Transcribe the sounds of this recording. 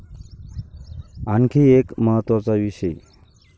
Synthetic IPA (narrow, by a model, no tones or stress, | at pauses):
aŋkʰiekməɦət̪ʋat͡saʋisəj